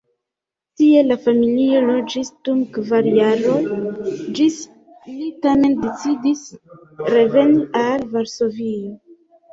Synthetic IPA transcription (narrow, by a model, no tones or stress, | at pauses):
tie̞lafamilio̞lo̞d͡ʒisd̥umkvaɾiaɾo̞ | d͡ʒis | litame̞ndet͡sidis | ɾe̞ve̞niʔalvaɾso̞vi